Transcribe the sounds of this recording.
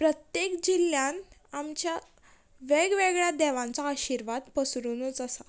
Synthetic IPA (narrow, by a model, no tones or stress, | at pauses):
pɾət̪jekd͡ʑilːjãnamt͡ɕja | ʋeɡʋeɡɭjad̪ɛʋãnt͡saəɕiɾʋad̪pəsɾunut͡səsa